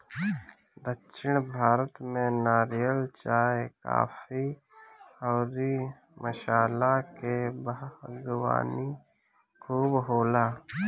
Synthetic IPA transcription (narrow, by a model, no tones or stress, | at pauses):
d̪əkʃɪɽ̃bʱaːɾət̪mẽnaːɾijəlt͡ʃaːeka̰ːpʰi | ɔːɾi | məʃaːlakebəɡəwa̰ːni | kʰuːbɦoːlaː